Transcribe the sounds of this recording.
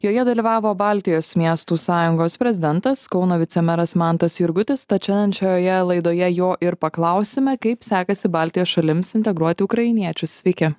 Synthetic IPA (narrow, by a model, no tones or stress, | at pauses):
joːjɛd̪ɐlʲiːʋɑːʋoːbɑːlʲt̪ʲɪjoːsmʲiɛst̪uːsɑːjʊŋɡoːspʲɾʲɛzʲɪd̪ʲɛnt̪ɐskɒʊnoːʋʲɪt̪sʲɛmʲɛɾɐsmɑˑnt̪ɐsjɪɾɡʊt̪ʲɪst̪ɐt͡ʃʲɛnɐnt͡ʃʲoːjoːjɛlˠɐɪd̪oːjɛjoːʔɪɾpɐklˠɐʊsʲɪmʲɛkɐɪpsʲæːkɐsʲɪbɑːlʲt̪ʲɪjoːsʃɐlʲɪmsɪnʲt̪ʲɛɡɾuɔt̪ʲɪʊkɾɐɪnʲiɛt͡ʃʲʊssʲʋʲɪkʲɛ